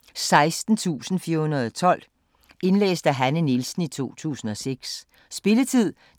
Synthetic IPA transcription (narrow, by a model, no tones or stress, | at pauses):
sɑ̈ɪsd̥n̩t͡sʰṵːsn̩fiɐhunɐðˠɒt͡sʰɒ̽l̰ | e̝nlḛːsd̥æɦænənilsn̩it͡sʰo̝̰ːt͡sʰṵːsn̩ɒ̽seɡ̥s | sb̥e̝lət͡sʰið̞̰ˠ